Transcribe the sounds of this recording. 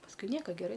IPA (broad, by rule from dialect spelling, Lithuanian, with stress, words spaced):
pɐsˈkʊɪ ˈnʲiɛkɐ ɡʲɛˈrɐɪ